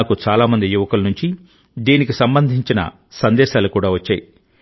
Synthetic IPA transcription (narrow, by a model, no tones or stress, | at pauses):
kut͡ʃaːlaːmɐnd̪ijuʋɐkulɐnuɲt͡ʃi | d̪iːnikisɐmbɐnd̪ʱiɲt͡ʃinɐ̰ | sɐnd̪ɛːʃaːlukuːɽaːʋɐt͡ʃːaːji